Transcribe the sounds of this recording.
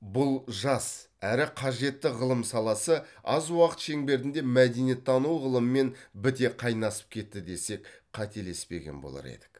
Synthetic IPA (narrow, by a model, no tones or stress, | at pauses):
bʊlˠʒɑs | æɾɪqʰɑʒe̞t̪ːɪʁəlˠəmsɑlˠɑsəɑzwɑqət̪ʃe̞ŋbe̞ɾt̪ɪnd̪e̞mæd̪e̞nijet̪ʰːɑnuwʁəlˠəməme̞nbɪt̪e̞qʰɑjnɑsə̥p̚kʲʰe̞t̪ːɪd̪e̞se̞kqʰɑt̪e̞le̞spe̞̰ɡʲe̞̰nbo̞̰lˠɑ̰ɾḛd̪̥ɪ̥k